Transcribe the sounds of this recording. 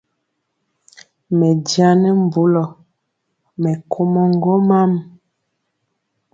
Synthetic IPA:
mɛ˨dja˦nɛ˦m˨bu˨˦lɔ˨ | mɛ˨kʰo˦mɔ˦ŋ˦ɡo˦ma˦m

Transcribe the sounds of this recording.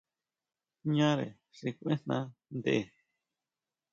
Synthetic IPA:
ɲã˦ɾḛ˨ | ʂi˧kʷʔẽ˦nnã̰˦nd̪e˦ʔe˨

